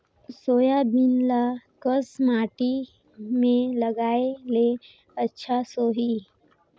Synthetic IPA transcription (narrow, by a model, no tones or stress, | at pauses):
soːjabɪnlakəsmaːʈi | mẽləɡaːele | ətːʃʰasoːɦi